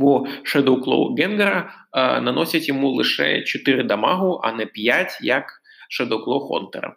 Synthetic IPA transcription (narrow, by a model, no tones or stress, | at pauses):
buʃed̪ɔwklˠɔ̰ɡɛnɡeɾɐnɐnɔsʲɐtʲjɔmulˠɪʃɛ̰t͡ʃɔt̪ɪɾɪd̪ɐmɑɦʊʔɐ̰nɛpʲjatʲjɐk | ʃed̪ɔwklˠɔxɔ̰nt̪ḛɾɐ̰